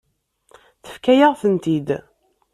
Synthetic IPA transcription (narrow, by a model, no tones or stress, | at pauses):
θə̥fkæjaʁθənt̪id̪